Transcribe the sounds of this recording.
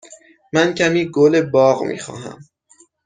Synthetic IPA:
mæncʰæmiːɡolebɒːɣmḭːxɒ̰ːɦæ̰m

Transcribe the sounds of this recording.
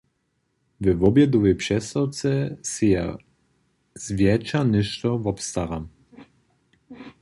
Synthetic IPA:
vɛvɔbjɛd̪ɔvɛjpʂɛst̪awt̪sɛsija | z̥vʲjɛt͡ʃanɪʃt̪ɔvɔpst̪aɾam

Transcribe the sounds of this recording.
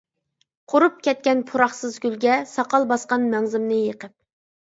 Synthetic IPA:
qʰoɾup̚kʲɛt̪̚kʲɛnpʰuɾɑχsɨzɡʲylɡʲɛsɑqɑlˠbɑsqɑnmɛŋzɪmnɨjəqəp̚

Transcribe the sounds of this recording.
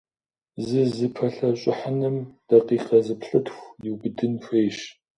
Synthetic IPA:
zɨzɨpʰɐɬɐɕʼɪħənɨmd̥ɐqiːqɐzɨpɬɨtxʷjɪwbɨdɨnɕeːʃ

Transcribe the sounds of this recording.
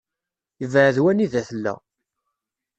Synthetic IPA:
jəvəʕðwæniðæθəlːæ̰

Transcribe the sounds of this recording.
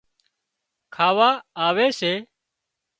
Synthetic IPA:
kʰaːʋaːaːʋeːseː

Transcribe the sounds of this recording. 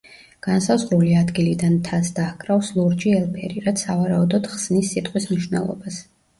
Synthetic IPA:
ɡ̥ansazʁɾuliad̪ɡilid̪ant̪ʰasd̪akʼɾafslˠɔɾd͡ʒiɛlˠbʼɛɾiɾat̪ssavaɾaud̪ɔd̪̥χsnisːit̪ʼqʼwismniʃwnɛ̰lˠɔ̰bas

